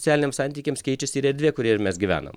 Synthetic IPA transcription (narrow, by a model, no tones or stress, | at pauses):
sʲæːlʲɪnʲeːmsɑnt̪ʲiːkʲeːmskʲɛɪt͡ʃʲɛsʲːɾɛɾʲd̪ʲʋʲiɛkʊɾʲiɛɾmʲɛsɡʲiʋʲæ̰ːnɐ̰m